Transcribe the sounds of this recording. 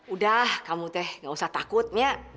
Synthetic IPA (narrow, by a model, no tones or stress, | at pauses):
udahkamut̪ɛhŋɡausaht̪akʊt̪̚miaʔ